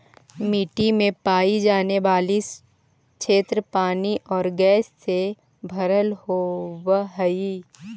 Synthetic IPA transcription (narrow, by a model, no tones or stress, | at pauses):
miːʈimẽpaːid͡ʒaːneʋaːli | kʃʰeːt̪ɾəpaːniʔɔːɾɡɛːsːe | bʱɐɾəlhowɦəiː